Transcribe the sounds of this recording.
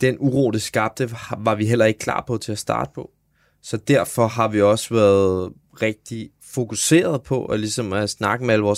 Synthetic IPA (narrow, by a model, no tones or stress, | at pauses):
d̥enuʁo̰ːlisɡ̥ɑ̈b̥̚d̥əʋɑ̈ʋiɦel̰ɐe̝ɡ̥̚kʰlɑ̰̈ːpʰɒ̽t͡sʰe̝æsd̥ɑ̰̈ːd̥ə̥pʰɒ̽ | sɒ̽d̥æɐ̰fɒ̽ɦɑ̈ʋiɒ̽sʋæɐðˠ | ʁeɡ̥̚d̥i | fo̝kuse̝̰ːɐð̞̩ˠpʰɒ̽ʔælisɒ̽msnɑ̈ɡ̥əmeælʋɒːs